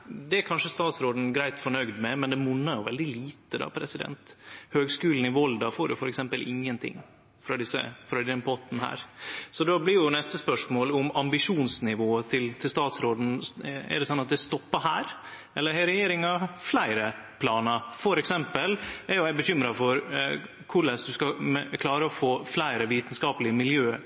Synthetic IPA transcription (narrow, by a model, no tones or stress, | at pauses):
d̪ɛæɾkʰɑnʂəst̪ɑːt̪sɾoːd̪n̩ɡɾæɪt̪fɔɳœɡd̪mɛmɛnd̪ɛmʊnːɑjʊʋɛ̰ld̪ɪliːt̪əd̪ɑ̰ːpʰɾɛsɪd̪ɛ̰nt̪høːɡskʉːln̩ɪʋɔld̪ɑfoːɾjʊfɔɾɛksɛmpəlʔɪŋːənt̪ʰɪ̰ŋː | fɾɑd̪ɪsːə̰fɾɑd̪ɪɛmpʰɔt̪n̩hæ̰ːɾsɔd̪ɑblɪɾjʊnɛst̪əspœʂmoːlʊmɑmbɪʂuːnsnɪʋoːət̪ʰɪlt̪ʰɪlst̪ɑːt̪sɾoːd̪n̩ɛ̰ɖɛsɑnːɑt̪̚d̪ɛst̪ɔpːɑhæːɾ | ɛlːəɾhæɾɛjeːɾɪŋɑflæɪɾə | pʰlɑːnɑfɔɾɛksɛmpəlɛɾjʊæɪbəçʏmɾɑfɔɾ | kʰʊɭɛsd̪ʉskɑkʰlɑːɾəɔfoːflæɪɾəʋiːt̪n̩skɑːpəlɪəmɪljøː